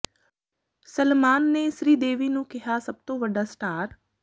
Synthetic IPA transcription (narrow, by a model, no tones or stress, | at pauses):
səlmaːnːeːsɾiːd̪eːʋiːnũːkɪɦaːsəb̚t̪õːʋəɖaːsʈaːɾ